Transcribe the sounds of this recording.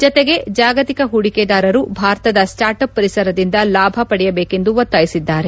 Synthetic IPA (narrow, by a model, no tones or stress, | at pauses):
d͡ʒɔt̪eɡe̞d͡ʒaːɡɐt̪ikɐɦuɽiked̪aːɾɐɾubʱaːɾt̪ɐd̪ɐsʈaːɾʈɐpːɐɾisɐɾɐd̪ind̪ɐlaːbʱɐpɐɽɛjɐbeːke̞nd̪uʋɐt̪ːaːjisid̪ːaːɾe̞